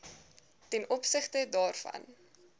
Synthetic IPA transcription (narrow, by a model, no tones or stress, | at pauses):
tɛnʔɔpsəχtədɑːrfɐ̰n